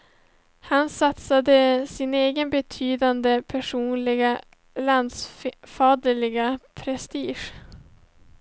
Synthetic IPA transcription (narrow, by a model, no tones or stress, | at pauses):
hansat̪sad̪əsɪneːɡənbɛt̪ʰyːd̪and̪əpʰæʂuːnlɪɡa | land̪sfɑːd̪əɭɪɡapʰɾɛst̪iːʂ